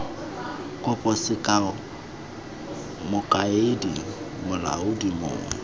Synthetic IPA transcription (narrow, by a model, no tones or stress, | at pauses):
kʼʊpʼɔsɪkʼaʊ | mʊkʼaedi | mʊla̰ʊdimʊ̰ːŋwɛ̰